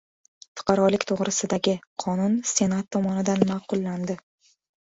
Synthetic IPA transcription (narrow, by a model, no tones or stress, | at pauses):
fʊ̥qʰɑɾɒlɪkʲt̪ʰoʁɾɪsɪd̪aɡʲɪqʰɒnʊnse̞nat̪ʰːɒmɒnɪd̪anmɑːqʊlˠːand̪ɪ